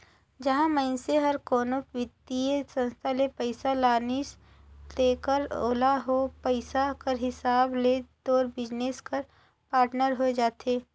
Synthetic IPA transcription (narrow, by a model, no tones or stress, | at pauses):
d͡ʒɐɦãməɪnseɦɐɾkɔːnoʋɪt̪ːiesə̃nst̪ʰalepəɪsalaːnɪs | leːkəɾoːlaɦopəɪsakəɾɦɪsaːbled̪oːɾbɪd͡ʒneːskəɾ | paːɾʈnəɾɦod͡ʒaːt̪eː